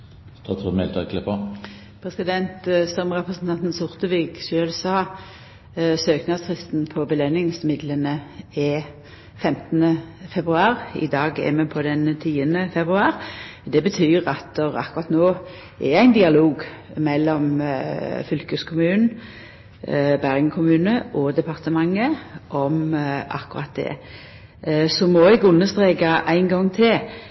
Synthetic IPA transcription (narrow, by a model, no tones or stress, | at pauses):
t̪ʰɑt̪ʰumɛ̰lt̪ʰɑkləpɔ | pʰɾɛsɪd̪ɛnt̪st̪ɔmʁɛpʁəsən̩t̪ʰɑnt̪n̩sʊʁt̪əʋiːɡʃøːlsɑː | søːknɑst̪ʰʁɪst̪n̩pʰɔbəlɛnɪŋsmɪd̪lənəɪ | fɛmt̪ənə | fɛbʁʉɑːɾɪ̰d̪ɑːɡɛ̰mɛpʰɔd̪ɛnt̪ʰiːənəfɛbʁʉɑːɾd̪ɛbət̪ʰyːɾɑt̪əɾɑ̰kːʉʁɑt̪noː | ʔɛɾæɪnd̪ɪɑloːɡ | mɛlːɔm | fʏlkəskʰʊmʉːnn̩ | bæʁɪɡkʰʊmʉːnəʔɔd̪ɛpʰɑʁt̪əmɑŋːəʔɔmɑ̰kːʊɾɑt̪̚d̪ɛ̰ | sɔmɔɛɡʊnːəst̪ʁeːɡɑʔæɪnɡɔŋːt̪ʰɪl